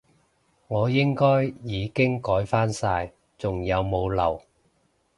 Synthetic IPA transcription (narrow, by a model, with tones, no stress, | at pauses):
ŋɔː˨˧jɪ˥ŋkɔː˥jjiː˨˧kɪ˥ŋkɔː˨˥jfaː˥nsaː˧j | t͡sʊ˨˩ŋjɐ˨˧wmo˨˧wlɐ̰˨˩w